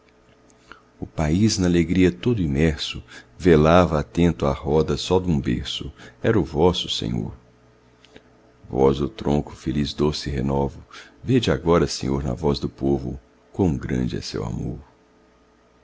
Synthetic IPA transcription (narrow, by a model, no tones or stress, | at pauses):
ʊpaiznɐaleɡɾiɐt̪od̪ʊĩmɛɾsʊvelavɐat̪ẽnt̪ʊahɔd̪ɐsɔd̪ũbeɾsʊɛɾɐʊvɔsʊ̥sḛ̃ɲo̰ɾ | vɔzd̪ʊt̪ɾõkʊ̥felizd̪osɪɦenɔvʊved͡ʒɪaɡɔɾɐsḛ̃ɲoɾnɐ̰vɔzd̪ʊpovʊ̰ | kõɡɾɐ̰̃d͡ʒɪɐ̰sḛwa̰moɾ